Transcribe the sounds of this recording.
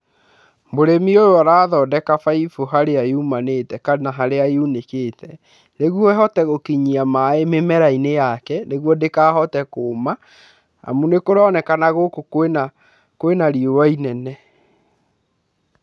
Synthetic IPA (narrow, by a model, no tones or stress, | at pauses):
mboɾemiojoaɾaːðɔːdɛkafaifoɦaɾeaeumanetɛkanaɦaɾeaeunekeːtɛ | ɾeɣwɔɦɔtɛɣokiɲiamaememɛɾainejakɛneɣwɔdekaːɦɔtɛkoːma | a̰munekoɾɔnɛkanaɣokokwena | kowenaɾiowainɛnɛ